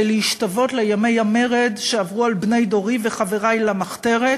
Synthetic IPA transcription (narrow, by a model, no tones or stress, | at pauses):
leiʃtavo̞t̪lejamejame̞ʁedʃeavʁualbne̞jdo̞ʁiveχaveʁajlamaχte̞ʁe